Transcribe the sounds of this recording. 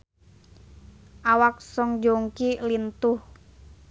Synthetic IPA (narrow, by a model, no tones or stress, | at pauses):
ʔawak̚sɔŋd͡ʒoŋkilint̪ʊh